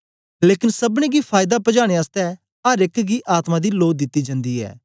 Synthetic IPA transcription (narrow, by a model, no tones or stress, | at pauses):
leːkɪnsəbɽ̃ẽːɡiːpʰaːjɪd̪aːpəd͡ʒaːɽ̃eaːst̪ɛ | əɾɪkɡiːʔaːt̪mãd̪iːloːd̪ɪt̪ːiːd͡ʒãnd̪iːɛ̰ː